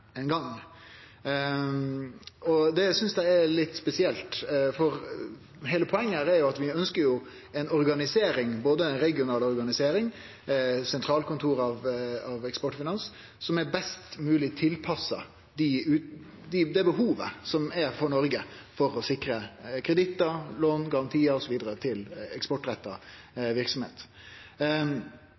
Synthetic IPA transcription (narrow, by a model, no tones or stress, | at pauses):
ɛnɡɑŋː | ɔd̪ɛæsʏnsd̪æɪæɾlɪt̪ːspɛsɪɛlt̪fɔɾ | ɦɛɪləpʰɔɛŋːəæɾɛɾjʊɑt̪ʋɪœnskəɾjʊ | ɛnɔɾɡɑnɪseːɾɪŋboːd̪əɛnɾɛɡɪʊnɑːlɔɾɡɑnɪseːɾɪŋ | sɛnt̪ʰɾɑːlkʰʊnt̪ʰuːɾɑʋɑʋɛkspɔʈːfɪnɑns | sɔmɛɾbɛst̪mʉːlɪt̪ʰɪlpʰɑsːɑ | d̪ɪʉː | d̪ɪd̪ɛbəɦuːʋə̰sɔmɛɾfɔɳɔɾɡəfɔɾɔsɪkɾəkʰɾəd̪ɪt̪ːəloːnɡɑɾɑnt̪ʰiːəɔsɔʋiːd̪əɾət̪ʰɪlɛ̰kspɔʈːɾɛt̪ːɑ | ʋɪɾksɔmhḛːt̪